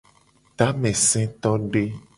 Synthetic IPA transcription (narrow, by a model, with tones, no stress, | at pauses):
t̪a˦mɛ̃˨sɛ̃˦t̪ɔ˦ɖe˦